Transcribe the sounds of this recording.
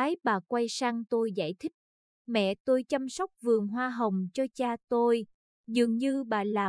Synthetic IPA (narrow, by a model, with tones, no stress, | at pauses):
aː˨˦jɓaː˨˩kwa˧jsaː˧ŋt̪o˧jza̰ː˧˩˨jt̪ʰï˦˥k̚ | mɛ̰˧˨t̪o˧jt͡ɕa˧msa˦˥wk͡p̚vɨ˨˩əŋɦwaː˧ɦə˨˩wŋ͡mt͡ɕɔ˧t͡ɕaː˧t̪o˧j | zɨ˨˩əŋɲɨ˧ɓaː˨˩laː˨˩